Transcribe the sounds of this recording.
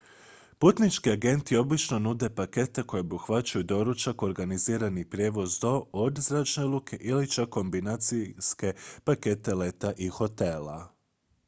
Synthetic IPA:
put̪nit͡ʃkiaɡe̞nt̪io̞blit͡ʃno̞nud̪e̞pake̞t̪eko̞jeobuxʋat͡ʃujud̪o̞ɾut͡ʃako̞ɾɡaniziːɾanipɾʲje̞ːʋo̞zd̪o̞od̪zɾaːt͡ʃnelˠukʰe̞ʔilit͡ʃakːo̞mbinat̪siske̞pake̞t̪e̞le̞t̪aʔixo̞t̪e̞la̰

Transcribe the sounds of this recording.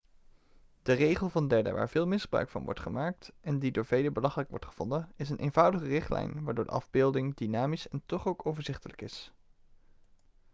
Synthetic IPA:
d̥ərejχəlˠvɑndɛɹdə̰ʋaːɹvɪːlˠmɪsbrœ̰ɥkfɑ̰nʋɔ̰ɹtχəmaːk̚tɛndidoːɹv̥ejləbəlɑχələkʋɔ̰ɹtχə̥v̥ɔndəɪs̬ənʔḛjnvʌwdəχərɪχtlɛ̰jnʋaːɹdʊːɹdə̰ʔɑvbɪːlˠdɪŋdinaːmisɛntɔχowkowvəɹzɪχtələkɪs

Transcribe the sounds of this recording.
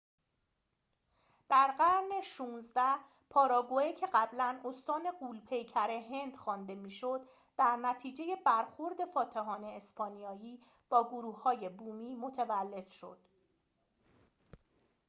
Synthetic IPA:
d̪̥æɾɢæɾne̞ʃuːnzd̪æh | pʰɒːɾɒːɡoecʰe̞ɢæblæno̞st̪ɒːne̞ɢuːlpʰe̞jcʰæɾe̞ɦe̞nd̪̥xɒːnd̪e̞miːʃo̞d̪ | d̪̥æɾnæt̪ʰiːd͡ʒe̞je̞bæɾxo̞ɾd̪e̞fɒːt̪ʰeɦɒːne̞ːspʰɒːnijɒːjiː | b̥ɒːɡoɾuːhːɒːje̞buːmiːmo̞t̪ʰevælːe̞d̪̥ʃo̞̰d̪̥

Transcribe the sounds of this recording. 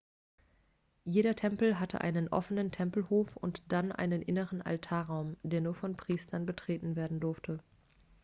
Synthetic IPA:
jeːɾɐtʰɛmpl̩ɦatʰə̰ʔa̰ɪnənʔɔ̰fənəntʰɛmpl̩hoːfʊ̰ntd̥anʔa̰ɪnənʔɪ̰nəʁənʔa̰ltʰaːɐʁaʊmd̥eːɐnuːɐfɔnpʁ̥iːstʰɐnbətʁ̥eːtn̩veːɐdn̩dʊɐftʰə

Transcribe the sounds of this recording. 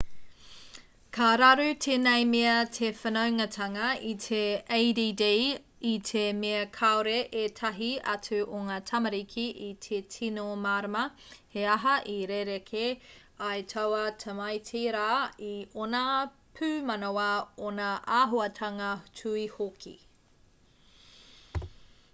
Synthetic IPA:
kʰaɾɐɾʉtʰenɐjmeɐtʰefɐnɐwŋɐtʰɐŋɐitʰeejdidej | itʰemeɐkʰaoɾeʔetʰɐɦiɐ̰t͡sʉʔoŋaːtʰɐmɐɾikʰiʔitʰetʰinomaːɾɐmɐheɐɦɐʔiɾeɾekʰe | ɐjtʰɐwɐtʰɐmɐjtʰiɾaːiona | pʰʉːmɐnowɐonɐʔaːɦoɐtʰɐŋɐtʰuihokʰḭ

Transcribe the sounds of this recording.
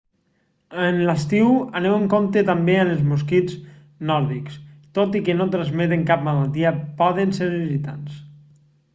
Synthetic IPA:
ənləst̪iwənewəŋkomt̪et̪ambeənəlzmuskid͡z | nɔɾðikst̪ot̪ikənot̪ɾazmet̪̬eŋkap̚maðalˠt̪iəpɔðənseɾβizit̪ans

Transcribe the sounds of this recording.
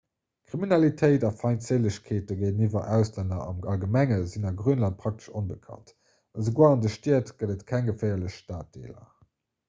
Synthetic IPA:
kʁ̥iminɑlitʰəɪtɑfɑɪntt͡seləɕkʰeːtəɡeɪnivɐʔæʊslændɐɑ̰mɑlɡəmæŋəzinɑɡʁyːənlɑnt̚pʰʁ̥ɑk̚tə̥ʃonbəkʰɑ̰nt | ɑzəɡoːɐɑndəʃtiːɐtɡ̥ədətkʰæŋɡəfæɪɐləɕʃtaːt̚d̥ḛːlɐ̰

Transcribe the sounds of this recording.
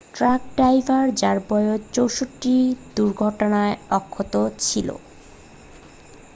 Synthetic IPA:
ʈɾak̚ɖajvʱaɾd͡ʑaɾbɔjot͡ɕowʃoʈːid̪uɾɡʱɔʈonaeɔkʰːot̪ot͡ɕʰilo̰

